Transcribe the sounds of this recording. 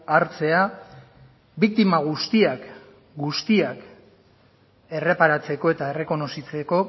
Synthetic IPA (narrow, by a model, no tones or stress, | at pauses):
aɾt͡se̞a | bik̚t̪imaɣ̞ust̪iak | ɡust̪iak | e̞re̞paɾat͡se̞ko̞e̞t̪ae̞re̞ko̞no̞sit͡se̞ko̞